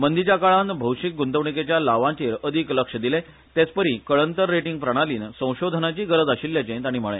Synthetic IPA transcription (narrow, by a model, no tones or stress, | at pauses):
mənd̪it͡ɕakaɭãnbʱəwɕik̚ɡunt̪əʋɳiket͡ɕjalaʋãt͡ɕiːɾəd̪ʱikləkʂəd̪ile | t̪et͡spəɾikəɭənt̪əɾːeʈiŋɡ̚pɾəɽ̃aliːnsə̃w̃ɕod̪ʱənat͡ɕiːɡəɾəd͡zaɕiljat͡ɕẽt̪aɽ̃iːm̤əɭḛ̃